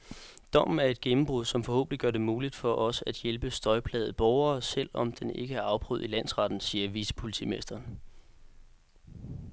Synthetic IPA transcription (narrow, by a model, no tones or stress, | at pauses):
d̥ɒ̽m̰n̩æɐe̝d̥ɡ̥emm̩b̥ʁuðˠsɒ̽mfɒ̽ho̝̰ːb̥ən̩̥iɡ̥ɶɐd̥e̝muːlid̥fɒ̽ʔɒ̽səæd̥jelb̥əsd̥ɒ̽ɪpʰlɛːð̩ˠb̥ɒʊɐːsel̰ɒ̽md̥ene̝ɡ̥əæɐɑ̈ʊb̥ʁy̰ð̞̰ˠilæn̰sʁɑ̈d̥n̩siːɐʋisə̥pʰo̝lit͡sʰḭmesd̥ɐn